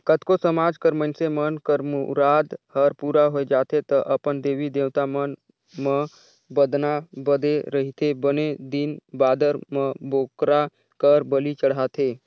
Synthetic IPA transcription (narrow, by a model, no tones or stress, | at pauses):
kət̪ʰkosəmaːd͡ʒkəɾmənsemənkəɾmuɾaːd̪həɾpuːɾaɦoed͡ʒaːt̪ʰet̪əʔəpənd̪eːʋid̪eːwt̪amən | mə | bəd̪nabəd̪eɾəɦit̪ʰebəned̪inbaːd̪əɾmə̃boːkɾa | kəɾbəlit͡ʃəɽɦaːt̪ʰeː